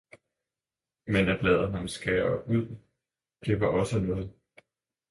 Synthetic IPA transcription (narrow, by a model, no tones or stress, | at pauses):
menæb̥lɛːð̞̰̩ˠnɑmesɡ̥ɛːɐuð̞̰ˠ | d̥e̝ʋɑ̈ʔɒ̽sənɔːð̞̩ˠ